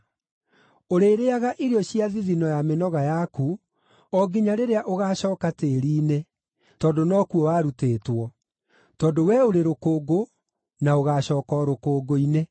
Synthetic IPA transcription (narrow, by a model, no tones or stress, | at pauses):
oɾeːɾeaɣaʔiɾiɔɕiaðiðinɔjamenɔɣajaku | ɔɡiɲaɾeɾeaʔoɣaːɕɔːkateɾiːne | tɔːdonɔːkuɔwaːɾuteːtwɔ | tɔːndowɛoɾeɾokoːɡo | naoɣaːɕɔːkɔɾokoːɡoine